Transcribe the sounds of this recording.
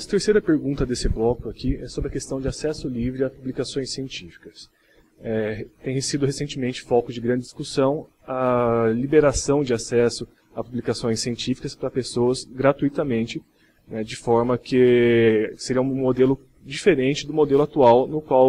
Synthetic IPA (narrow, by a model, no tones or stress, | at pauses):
ɐt̪eɾsejɾɐpeɾɡũnt̪ɐd̪esɪblɔkʊakiɛsobɾɪɐkest̪ɐ̃w̃d͡ʒɪasɛsʊlivɾɪapublikasõj̃sːiẽnt͡ʃifi̥kɐs | ɛt̪ẽj̃hesid̪ʊhesẽnt͡ʃɪmẽnt͡ʃɪ̥fɔkʊd͡ʒɪɡɾɐ̃nd͡ʒɪd͡ʒiskusɐ̃w̃ | ɐlibeɾasɐ̃w̃d͡ʒɪasɛsʊ | apublikasõj̃sːiẽnt͡ʃifi̥kɐspɾɐpesoɐzɡɾat̪ujt̪ɐmẽnt͡ʃɪ | nɛd͡ʒɪfɔɾmɐkɪ | seɾiɐũmod̪elʊ | d͡ʒifeɾẽnt͡ʃɪd̪ʊmod̪elʊat̪uawnʊkwaw